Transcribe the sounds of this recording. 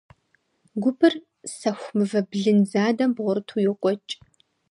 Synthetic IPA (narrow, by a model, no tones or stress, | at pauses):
ɡʷʊpʰɨr | sɐxʷmɨvɐbɮɨnzaːdɐmbʁʷʊrɨtʰujɪqʷʼɔt͡ʃʼ